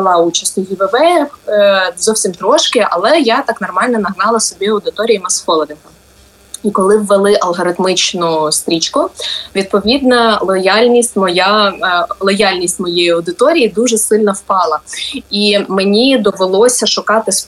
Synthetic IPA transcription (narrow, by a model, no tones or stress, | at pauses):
lˠɑut͡ʃɐsʲt̪ʲʊjiʋeʋɛ | zɔwsʲimt̪ɾɔʃkɪʔɐ̰lˠɛjat̪ɑknɔrmɑlʲnɔnɐɦnɑlˠɐsɔbʲiɐwd̪ɪt̪ɔɾʲijimɐsxɔlˠɔd̪ɪkɐ | ikɔlˠɪwːelˠɪʔɐlˠɦɔɾɪt̪mɪt͡ʃnʊst̪ɾʲit͡ʃkʊʋʲid̪̚pɔʋʲid̪nɐlˠɔjɑlʲnʲisʲtʲmɔja | lˠɔjɑlʲnʲisʲtʲmɔjejiɐwd̪ɪt̪ɔɾʲijid̪uʒɛsɪlʲnɐwpɑlˠɐimenʲid̪ɔʋelˠɔsʲɐʃʊkɑt̪ɪs